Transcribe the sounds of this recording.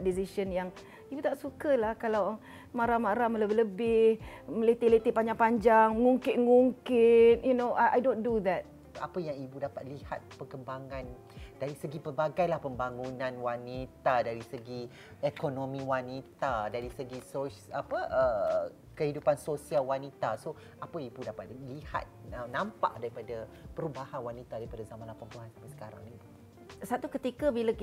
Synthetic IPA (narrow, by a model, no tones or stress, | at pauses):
disiʃənjaŋ | ibut̪aʔsukəlahkalaw | maɾamaɾamələbɪɦləbɪhməlet̪elet̪eʔpaɲd͡ʒaŋpaɲd͡ʒaŋŋuŋkɪʔ̚ŋuŋkɪt̪̚junoʔaʔa̰jdondud̪ɛt̚ | apəjaŋibudapat̪̚liha̰t̪̚pəkəmbaŋãn | daɾisəɡipərbaɡajlahpəmbaŋunãnwanit̪adaɾisəɡi | ekonõmĩwanit̪adaɾisəɡisoapəʔə | kəhidupansosialwanit̪aso | ʔapəibudapa̰t̪liha̰t̪̚ənãmpa̰ʔdaɾipadapəɾubahanwanit̪adaɾipadazamãnlapaŋp̪uɦanbəsə̥kaɾa̰ŋibu | sat̪ukət̪ikabilə